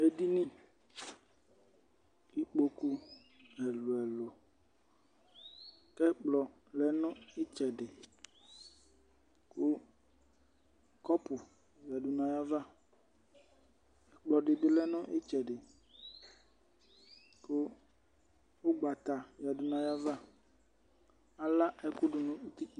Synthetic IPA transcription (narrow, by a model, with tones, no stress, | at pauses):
e˨di˦nĩ˦ | i˦k͡po˦ku˦ | ɛ˨lo˨ɛ˨lo˨ | kɛ˦k͡plɔ˨ | lɛ˦nɔ̃˦i˦t͡ʃɛ˨ɖɪ˨ | kʊ˦ | kɔ˦pʊ˨ | va˨du˨nã˨ja˦va˦ | ɛ˨k͡plɔ˨ɖɪ˨dɪ˦lɛ˦nɔ̃˦ʔi˦t͡ʃɛ˨ɖɪ˨ | kʊ˦ | o˦ɡ͡ba˨t̪a˨vja˨du˨nã˨ja˦va˦ | a˨la˦ʔɛ˦kʊ˦ɖʊ˨nũ˨u˦t̪i˦i˨